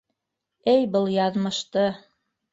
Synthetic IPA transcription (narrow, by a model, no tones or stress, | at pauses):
ɘjbɤlˠjɑðmɤ̆ʃt̪ɤ